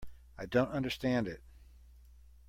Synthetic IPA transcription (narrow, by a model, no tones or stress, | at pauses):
aɪdõʊ̃ntʌ̃ndə˞stæ̃ndɪt̚